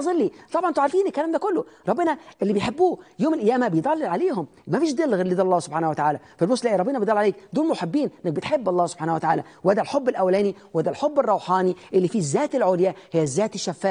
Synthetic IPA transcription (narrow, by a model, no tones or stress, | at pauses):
zˤɑlːiːt̪ˤɑbʕɑnʔnt̪ʕɑɾˤfiːnɪlkːælæːmd̪ækʊlːʊɾˤɑbːɪnɑʔelːibejħebːuːjoːmɪlʔæjːæːmæbejd̪ˤɑlːlʕaleːhʊm | mæfiːʃd̪elːɣeɾlid̪ælɑlˤːɑːhsobħaːnhwæt̪aʕaːlæfælmosˤlʔæʔiɾˤɑbenɑbejd̪ˤɑlːʕaleːkd̪uːlmʊħebːiːnʔenːæk̚bet̪ħebːɑlˤːɑːso̥bħaːnæwæt̪aʕaːlæ | wæd̪ælħobːɪlʔæwælæːniwæd̪ælħobːerˤːɑwħɑːniʔelːifiːzːæːt̪elʕoːljæhɪjːæzːæːt̪ɪʃːæfːæː